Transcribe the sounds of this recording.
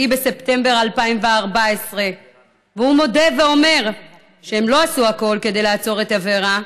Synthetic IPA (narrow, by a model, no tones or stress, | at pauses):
ibe̞se̞pte̞mbe̞ʁalpaimveaʁbaesʁe̞ | vehumo̞de̞ve̞o̞me̞ʁ | ʃee̞mlo̞asuako̞lke̞d̪ejlaːt͡so̞ʁetaveʁa